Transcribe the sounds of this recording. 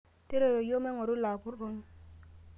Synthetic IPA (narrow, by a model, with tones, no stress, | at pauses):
te˦ɾe˨ɾo˨jo˦me˦ŋo˨ɾu˦la˨bu˦ɾu˦n˦